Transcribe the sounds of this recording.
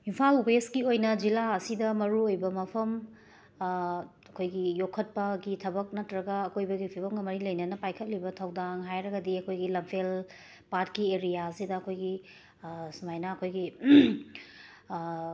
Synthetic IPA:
impʰalweskiojnɐd͡ʒilaɐsidɐmɐɾuojbɐmɐpʰɐm | ɐkʰojɡijokʰːɐt̚pɐɡitʰɐbɐk̚nɐtɾɐɡɐːkʰojbɐɡipʰibɐmɡɐmɐɾilɐjnɐnɐpajkʰɐt̚libɐtʰawdaŋɦajɾɐɡɐdiɐkʰojɡilɐmpʰel | patkieɾijaɐsidɐːkʰojɡi | sumajnɐːkʰojɡi

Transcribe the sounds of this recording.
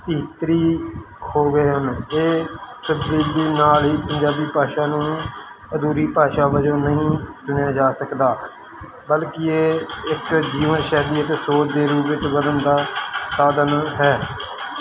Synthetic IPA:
biːt̪ɾiː | hoːɡəeːɦəneːtəbd̪iːd͡ʒeːnaːlɦiːpəɲd͡ʒaːbiːpaːʃaːnũː | əd̪uːɾiːpaːʃaːʋəd͡ʒõːnəɦĩːt͡ʃʊnejaːd͡ʒaːsəkd̪aː | bəlkɪeːɪkd͡ʒiːʋənʃɛːd̪iːət̪eːsoːt͡ʃd̪eːɾuːpɪt͡ʃʋəd̪ənd̪aːsaːd̪ənɦɛː

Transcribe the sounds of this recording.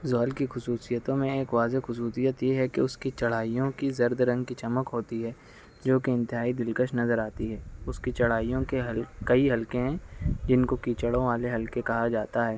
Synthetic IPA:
zɔːlkixʊsuːsijət̪õmẽeːkʋaːzexʊsuːsijət̪jeɦɛkeʊskit͡ʃɐɽ̤aːijõkizɐɾd̪ɾɐ̃ŋɡkit͡ʃɐməkɦoːt̪iɦɛː | d͡ʒoːkeɪ̃nt̪ɪɦaːid̪ɪlkəʃnɐzəɾaːt̪iɦɛːʊskit͡ʃɐɽ̤aːijõkeɦkɐiɦɐlkẽɦɛ̃d͡ʒɪnkokiːt͡ʃəɽõʋaːleɦɐlkekɐɦad͡ʒaːt̪aɦɛː

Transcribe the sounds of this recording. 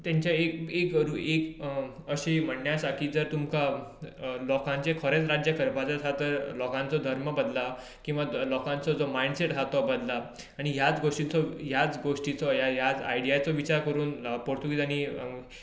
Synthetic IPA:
t̪jãɲt͡ɕjaekekɾuekəɕem̤əɽnjasaʈʰiːd͡zəɾt̪umka | lɔkãɲt͡ɕekʰəɾet͡sɾad͡ʑjəkʰəɾpat͡sasʰat̪əɾlɔkãnt͡sɔd̪ʱəɾməbəd̪la | kĩw̃ʋalɔkãnt͡sɔd͡zɔmaiɖseʈd͡zʱat̪ɔbəd̪laː | ɽ̃iɦjat͡sɡoʂʈit͡sɔɦjat͡sɡoʂʈit͡sɔjajat͡sa̰iɽijat͡sɔʋit͡ɕaɾkəɾuːnpoɽt̪uɡit̪añi

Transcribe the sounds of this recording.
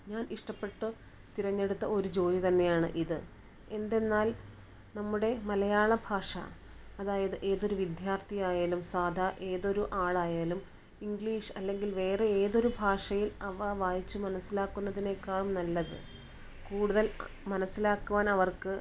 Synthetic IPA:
ɲaːniʂʈɐpːe̞ʈːɨ | t̪iɾɐɲːe̞ɽut̪ːɐo̞ɾud͡ʑo̞ːjit̪ɐnːe̞jaːɳɨʔiðɨ | e̞nd̪e̞nːaːl | nɐmːuɽe̞mɐlɐjaːɭɐbʱaːʂɐ̰ː | ðaːjɐðɨʔe̞ːðo̞ɾuʋid̪jaːrt̪ʰijaːjaːlumsaːd̪ʱɐʔe̞ːðo̞ɾuʔaːɭaːjaːlum | iŋɡɭiːʂɨɐlːe̞ŋɡilʋe̞ːre̞eːðo̞ɾubʱaːʂɐjilɐʋɐʋaːjit͡ɕːumɐnɐsːilaːkːunːɐðine̞kːaːɭumnɐlːɐðɨ̰ | kuːɽuðɐlmɐnɐsːilaːkːuʋaːnɐʋɐrkɨ

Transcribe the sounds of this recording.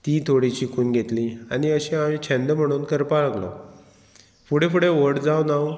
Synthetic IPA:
t̪it̪ʰoɽit͡ɕikʰuːnɡʱet̪liaɽiəɕẽamit͡ɕʰɛ̃nd̪əm̤əɽ̃uːnkəɾpalaɡlɔ̰ | fuɽefuɽeʋəɽd͡zawnaw

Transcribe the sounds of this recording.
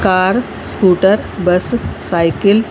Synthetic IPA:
kaːɾ | skuːʈəɾbɐssaːjkɪl

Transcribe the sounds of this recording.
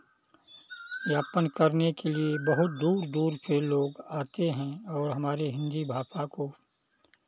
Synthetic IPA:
jaːpənkəɾnekeliebɐɦʊt̪̚d̪uːɾd̪uːɾseloːɡaːt̪eɦɛ̃ɔːɾɦɐmaːɾeɦɪ̃nd̪ibʱaːpako

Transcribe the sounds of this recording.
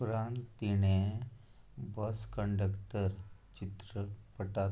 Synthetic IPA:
pɾant̪t̪ːiɽ̃e | bəskəɳɖəkʈəɾt͡ɕit̪ɾəpəʈa

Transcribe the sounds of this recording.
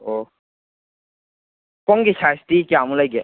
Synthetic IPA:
o | kɔŋɡisastikjamulajɡɛ

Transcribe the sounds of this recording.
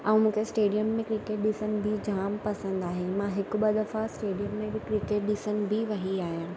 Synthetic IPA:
ɐ̃ũmũːkʰesʈeːɖijəmːẽkɾɪkeːʈ̚ɗɪsənɪ̆bʱid͡ʑʱaːmpɐsə̃nd̪aːɦemãɦɪkʊ̆ɓɐd̪ɐfasʈeːɖijəmːẽbɪkɾɪkeːʈ̚ɗɪsənɪ̆bʱɪʋɐɦiaːɦijãː

